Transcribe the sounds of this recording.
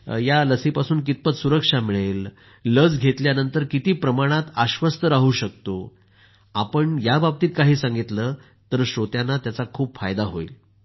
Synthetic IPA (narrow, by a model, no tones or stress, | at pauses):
jaləsipasuːnkit̪̚pət̪suɾəkʂamiɭelː | əd͡zɡʱet̪ljanənt̪əɾkit̪iːpɾəmaɽ̃at̪aɕʋəst̪əɾaɦuːɕək̚t̪o | apəɳjabab̚t̪iːt̪̚kaɦiːsãŋɡit̪lə | t̪əɾɕot̪janːat̪jat͡sakʰuːpfajd̪aɦoḭl